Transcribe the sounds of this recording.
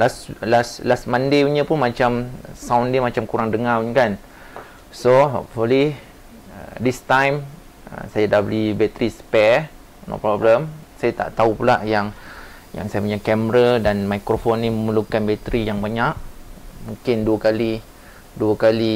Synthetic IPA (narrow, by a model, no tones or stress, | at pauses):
laslaslasmãndeuɲəpʊnmat͡ʃamsawndemat͡ʃamkuɾaŋdəŋauɲkan | soɦɔpfuli | ə̰dist̪ãjm | ə̰sajadahbəlibɛt̪ɾispɛ | no̰pɾɔbləmsajat̪a̰ʔt̪aupulaʔjaŋ | ja̰ŋsajamaɲakɛməɾadanmajkɾofonːiməməlukanbɛt̪ɾijaŋbaɲaʔmũŋkɪnduəkali | duəkali